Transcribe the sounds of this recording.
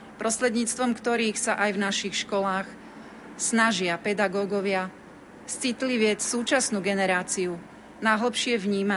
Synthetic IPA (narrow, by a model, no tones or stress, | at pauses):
pɾɔsɾɛd̪ɲiːt͡st̪ʋɔmkt̪ɔɾiːxsaʔajvnaʃixʃkɔlaːx | snaʒɪapɛd̪aɡɔːɡɔʋɪa | st͡sit̪liʋɪɛt͡ssuːt͡ʃasnuːɡɛnɛɾaːt͡siu | najɦl̩pʃɪɛʋɲiːma